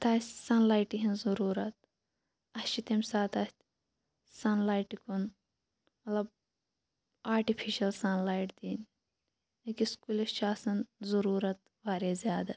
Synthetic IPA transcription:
t̪aːssɐnlaːjʈiɦinzuɾuːɾɐt̪̚ | ɐst͡ʃit̪emʲsaːt̪ɐst̪ | sɐnlaːjʈikun | mɐt̪lɐb | aːɾʈipʰiʃɐlsɐnlaːiʈd̪iːn | ekiskulit͡ʃʰaːsɐnzuɾuːɾɐt̪̚ | ʋaːɾeːzʲjaːd̪ɐ

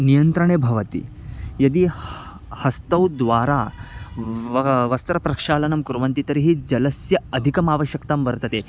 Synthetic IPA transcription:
nijɐnt̪ɾɐɳ̃ebʱɐʋət̪ḭː | jɐd̪iː | hɐst̪ɐwd̪ʋaɾa | ʋɐst̪ɾɐpɾɐkʂaːlɐnɐmkuɾʋɐnt̪it̪ɐɾiɦiːd͡ʑɐləsjɐɐd̪ʱikɐmaʋəɕjəkt̪amʋəɾt̪ət̪e

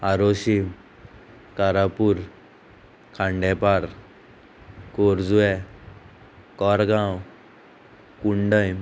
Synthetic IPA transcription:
aɾoɕim | kaɾapuɾ | kʰãɳɖɛ̃paɾ | koɾd͡zuɛ | kɔɾɡãw | kuɳɖəjm

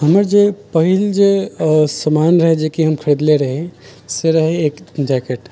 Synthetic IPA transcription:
ɦəməɾd͡ʒepəɦild͡ʒesəmanɾəɦɛd͡ʒekiɦəmkʰəɾid̪leɾəɦẽ | seɾəɦɛːkd͡ʒɛkeʈ

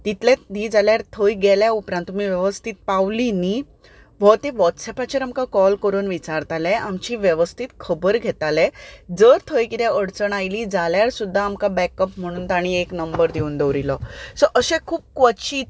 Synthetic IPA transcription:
t̪it̪lɛ̃d̪iːd͡zaljaɾt̪ʰojɡeljaupɾãnt̪ːum̤iːʋjeʋəst̪ʰit̪̚pawlini | ʋ̤ət̪eʋɔt̪sɛpat͡ɕiɾamkakɔlkəɾuːnʋit͡saɾt̪alɛ̃ʔamt͡ɕiːʋjeʋəst̪ʰit̪kʰəbəɾɡʱet̪alɛd͡zəɾt̪ʰojkit̪ɛ̃əɽt͡səɳ̃ajliːd͡zaljaɾsud̪ʱːaːmkabɛkəp̚m̤əɽ̃uːnt̪aɽ̃ieknəmbəɾd̪euːnd̪eʋɾilɔsɔʔəɕɛ̃kʰuːp̚kʋət͡ɕiː

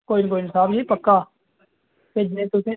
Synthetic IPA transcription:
koːink̬oːinɪsaːbd͡ʒĩːpəkːaː | ped͡ʒnẽːt̪ʊsẽː

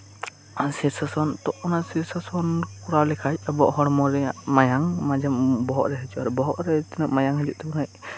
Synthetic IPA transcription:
asisasɔnt̪ɔʔɔnasisasɔnkuɾalɛkʰac̚abɔʔhɔɾmɔɾɛaʔmajaŋmad͡ʒambɔɦɔʔɾɛɦəd͡ʒuʔɾɛbɔɦɔʔɾɛt̪inɔʔmajaŋɦəd͡ʒuʔt̪ɛbunaj

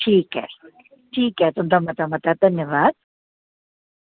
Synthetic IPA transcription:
ʈʰiːkɦɛ̰ | ʈʰiːkɦɛt̪ʊmt̪amɐt̪amɐt̪ad̪ʱɐnjəʋaːd̪̥̚

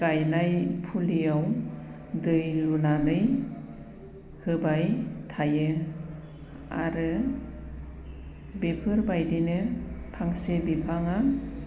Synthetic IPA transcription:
ɡajnajpʰulijaw | dɯjlunanɯj | hɯbajtʰajɯ | a̰ɾɯ | bepʰɯɾbajdinɯtʰaŋsebipʰaŋa

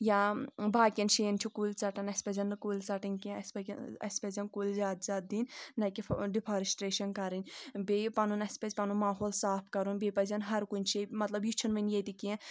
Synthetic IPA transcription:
jabaːkʲinʃeːnt͡ʃʰikulʲt͡sɐʈɐnɐsʲpɐzʲɐnɨkulʲt͡sɐʈɐnkɐspɐɐ̰sʲpɐzʲɐnkulʲzʲaːd̪zʲaːt̪̚d̪inʲːɐkiɖipʰaɾisʈɾeːʃɐnkɐɾinʲbepɐnunɐsʲpɐzʲpɐnumaːɦoːlsaːpʰkɐɾunbeːpɐzʲɐnɦɐɾkunʲt͡ʃʰimɐt̪lɐbjit͡ʃʰɐnʋɐnjet̪ikiɛ̃

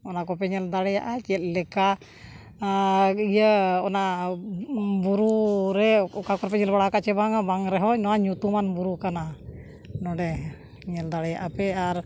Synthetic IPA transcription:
ɔnakɔpɛɲɛld̪aɽɛjaʔat͡ʃɛt̪̚ˀlɛka | ijəɔna | buɾuɾɛɔkakɔɾpɛɲɛlbaɽakaʔt͡ʃɛbaŋabaŋɾɛɦɔnɔwaɲut̪umanbuɾukana | nɔɖɛ | ɲɛld̪aɽɛjaʔapɛaɾ

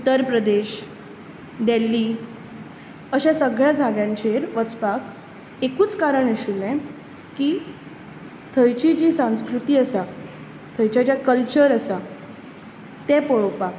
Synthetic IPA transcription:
ut̪ːəɾpɾəd̪eɕ | d̪elːi | əɕasəɡɭjad͡zʱaɡjãɲt͡ɕeɾʋət͡spak | ekuːt͡skaɾəɳiɕulɛ̃ | kiː | t̪ʰəjt͡ɕid͡ʑiːsãw̃skɾut̪iːəsa | t̪ʰəjt͡ɕad͡ʑjakəlt͡ɕəɾəsa | t̪ɛ̃pɔɭopak

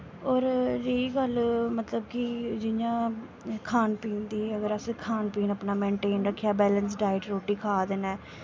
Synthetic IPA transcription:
ɔːɾɾeːɡəlmət̪ləbkid͡ʒɪjãː | kʰaːnpiːnd̪iːəɡəɾəsekʰaːnpiːnəpnaːmẽːɳʈeːnɾəkʰːjaːbɛːlənsɖaːɪʈɾoːʈːiːkʰaːd̪eːnɛː

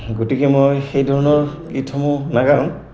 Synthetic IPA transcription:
ɡotikemojxejdʱɔɹɔnɔɹɡitʰɔmʊnaɡaʊ̃

